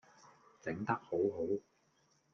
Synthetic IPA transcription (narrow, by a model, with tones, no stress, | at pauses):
t͡sɪ˨˥ŋt̪ɐ˥k̚ho˨˥wɦo˨˥w